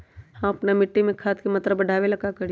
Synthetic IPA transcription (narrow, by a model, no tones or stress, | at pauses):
hãɐpnamɪʈːimẽkʰaːt̪kemɐt̪ɾəbəɖʱaːʋelɐkakəɽi